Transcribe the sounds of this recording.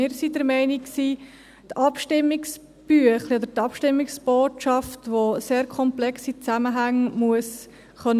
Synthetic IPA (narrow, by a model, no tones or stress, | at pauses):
ɪːɾsidəɾmɛɪniksiː | tɑpʃtɪmːɪks | b̥yəχliɔd̪əɾtɑpʃtɪmːiksb̥oːtʃɑftʋoseːɾkʰɔmplɛksit͡sæməɦæŋmuəs | χœn